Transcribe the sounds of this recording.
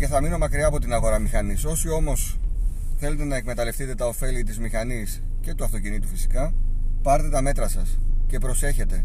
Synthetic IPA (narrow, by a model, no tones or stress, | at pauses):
ce̞θɐmino̞mɐkɾiɐːpo̞t̪inɐɣo̞ɾɐmixɐniso̞sio̞mo̞sθe̞le̞t̪e̞nɐe̞kme̞t̪ɐle̞fθit̪e̞t̪ɐo̞fe̞lit̪izmixɐnis | ce̞t̪uɐft̪o̞cinit̪ufisi̥kɐpɐɾt̪e̞t̪ɐme̞t̪ɾɐsɐsce̞pɾo̞se̞çe̞t̪e̞